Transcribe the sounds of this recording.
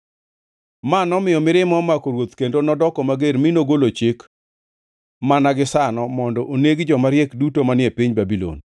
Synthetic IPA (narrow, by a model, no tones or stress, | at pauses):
manɔmɪjɔmɪɾɪmɔmakoɾwot̪kendonɔdɔkɔmaɡeɾminoɡolot͡ʃɪk | manaɡɪsanɔmɔndɔʔoneɡd͡ʒɔmaɾjɛkdutomanɪepɪɲbabilo̰n